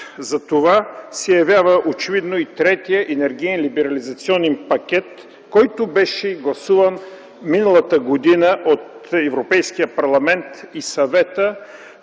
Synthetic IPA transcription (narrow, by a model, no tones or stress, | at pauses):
zɐt̪ovasɛjɐvjavəʔot͡ʃɛvid̪noit̪ɾɛt̪ijəʔɛnɛɾɡ̟iɛnlibɛɾɐlizɐt̪siɔnɛnpɐk̟ʲɛt̪ | kɔjt̪obɛʃɛɡlˠɐsuvən | minəlˠɐt̪əɡod̪inəʔot̪ɛvɾopɛjsk̟ijəpɐɾlˠɐmɛnt̪isɐvɛt̪ə